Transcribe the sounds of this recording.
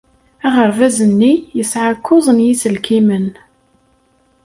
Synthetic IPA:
æʁəɾvæzənːijəsʕakːʊzˤənjit͡sːəlkimən

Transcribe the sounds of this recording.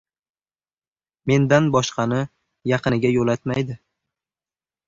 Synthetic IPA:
me̞nd̪anbɒʃqʰɑnɪ | jɑqʰɨnɪɡʲajolat̪majd̪ɪ

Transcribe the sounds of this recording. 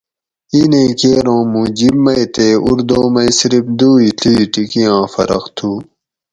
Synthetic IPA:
inẽːkeːɾõːmũːd͡ʑibmːɐjt̪eːuɾd̪õːmɐjsiɾip̚d̪uːitiʈikijãːfɐ̰ɾɐxt̪ʰuː

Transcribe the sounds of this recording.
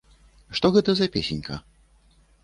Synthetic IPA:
ʂt̪ɔɣɛt̪ɐzɐpʲesʲenʲkʰɐ̰

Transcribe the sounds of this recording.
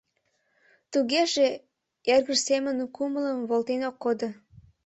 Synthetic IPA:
t̪uɣeʒe | erɣəʃsemənkumələmβolt̪enokːod̪o

